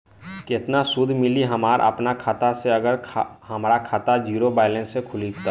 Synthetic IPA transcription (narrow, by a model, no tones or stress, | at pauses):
kɪt̪nasʊd̪ʱmɪliɦɐmaːɾʔə̰pnakʰaːt̪aseɐɡəɾʰhɐmɾakʰaːt̪ad͡ʒiːɾobaːɪlẽnsekʰʊlikt̪a